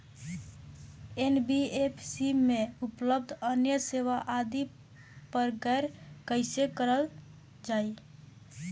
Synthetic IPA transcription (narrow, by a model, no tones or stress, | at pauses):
enbiepʰsimeupləb̚d̪ʱənjəseʋaʔad̪i | pəɾɡəɪɾkəɪsekəɾəl | d͡ʒai